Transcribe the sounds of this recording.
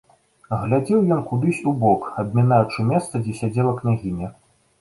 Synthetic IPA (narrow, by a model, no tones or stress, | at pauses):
ɣlʲad͡zʲɛwjɔnkud̪ɨsʲubɔkɐbʲmʲinajut͡ʂɨmʲɛst̪sɐd͡zʲɛsʲad͡zʲɛlˠɐknʲaɣʲinʲɐ